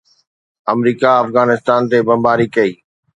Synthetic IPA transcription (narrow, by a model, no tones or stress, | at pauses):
ɐmɾiːkaɐfɣaːnɪst̪aːnt̪ebɐ̃mbaːɾikɐiː